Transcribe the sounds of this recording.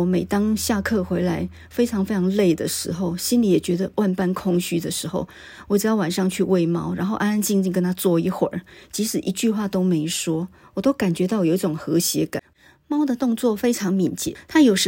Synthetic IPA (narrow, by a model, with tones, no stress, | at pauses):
me˨˩ɪt̪ɑ˥ŋɕja˥˧kʰɤ˥˧xwe˧˥ɪla˧˥ɪ | fe˥ɪʈ͡ʂʰɑ˧˥ŋfe˥ɪɑ˧˥ŋle˥˩ɪd̪ə˩ʂɻ̩˧˥xo˥˧ʊɕi˥nli˨˥jɛ˨˩t͡ɕɥɛ˧˥d̪ə˧wa˥˧npa˥nkʰʊ˥ŋɕy˥d̪ə˨ʂɻ̩˧˥xo˥˩ʊ | wɔ˨˩ʈ͡ʂ̩˨˩jɑ˥˩wa˨˩nʂɑ˥˧ŋt͡ɕʰy˥˧we˥˧ɪmɑ˥ʊɻa˧˥nxo˥˧ʊʔa˥na˥nt͡ɕi˥˧ŋt͡ɕi˥˧ŋkə˥nt̪ʰa˥t͡swɔ˥˩i˧˥˩xwə̰˨˩t͡ɕi˧˥ʂɻ̩˨˩ʔi˧˥t͡ɕy˥˧xwa˥˩t̪o˥ʊme˧˥ɪʂwɔ˥ | wɔ˨˩t̪o˥ʊka˨˩nt͡ɕɥɛ˧˥t̪ɑ˥˩ʊjo˨˩i˥ʈ͡ʂʊ˨˩ŋxɤ˧˥ɕjɛ˧˥ka̰˨˩n | mɑ˥ʊd̪ə˨t̪ʊ˥˧ŋt͡swɔ˥˩fe˥ɪʈ͡ʂʰɑ˧˥ŋmi˨˥nt͡ɕjɛ̰˨˩˦t̪ʰa˥jo˨˩ʊʂ